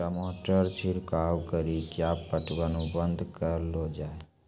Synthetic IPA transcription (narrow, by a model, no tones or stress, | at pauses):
əmoʈəɾt͡ʃʰiɾkaʋkəɾikjapːəʈʋanũbənd̪ʱkəɾlod͡ʒae